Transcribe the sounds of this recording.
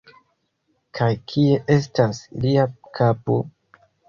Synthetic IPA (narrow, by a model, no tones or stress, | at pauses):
kʰajkʰie̞ʔe̞s̬tasliakʰapo